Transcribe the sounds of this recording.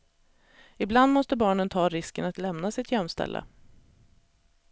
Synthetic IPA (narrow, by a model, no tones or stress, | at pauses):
ɪbland̪mɔst̪əbɑːɳənt̪ʰɑːɾɪskənat̪lɛmnasɪt̪jœmːst̪ʰɛ̰lːʔə̰